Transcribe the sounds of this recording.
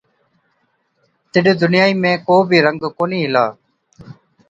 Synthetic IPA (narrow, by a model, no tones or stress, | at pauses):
t̪ɪɗd̪ʊnɪjaːiːmẽːkoːbʱiːɾəŋɡkoːniːɦɪla̰ː